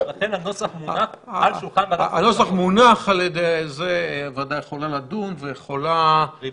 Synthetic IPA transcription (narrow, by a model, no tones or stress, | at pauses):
nat̪enanosaχmunaalʃulχanbaaanosaχmunaχaljed̪ejzeavad̪ajeχolalad̪umvejeχola